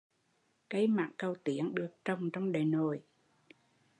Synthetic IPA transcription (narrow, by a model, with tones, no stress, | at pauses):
kə˧˦jma̰ː˧˨ŋkə˧˩wt̪i˧˦ənɗɨ˨˩ək̚t͡ɕə˨˩wŋ͡mt͡ɕɔ˧wŋ͡mɗəː˨˩jno˨˩j